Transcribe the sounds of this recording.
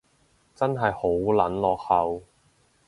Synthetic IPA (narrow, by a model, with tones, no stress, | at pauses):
t͡sɐ˥nɦɐ˨jho˨˥wlɐ˨˥nlɔː˨k̚hɐ˨w